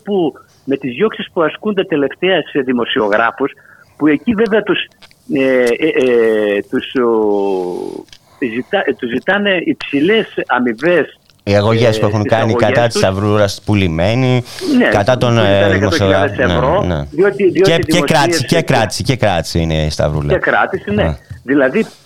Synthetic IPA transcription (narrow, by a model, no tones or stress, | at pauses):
pu | me̞t̪izʝo̞ksispuɐskunt̪ɐt̪e̞le̞ft̪eɐseðimo̞sio̞ɣɾɐfus | pue̞civeveɐt̪us | e | t̪us | zit̪ɐt̪uzit̪ɐneipsilesɐmive̞s | iɐɣoʝespuexuŋkɐnikɐɐt̪ist̪ɐvɾuɾɐspulime̞ninekɐt̪ɐt̪onðimosioɣɾɐeseɾonḛðiot̪iðioeðekɾɐtisiscekɾɐt̪i̥sicekɾɐt̪i̥siinest̪ɐ̰vɾṵlɐ̰ekɾɐt̪isineðilɐði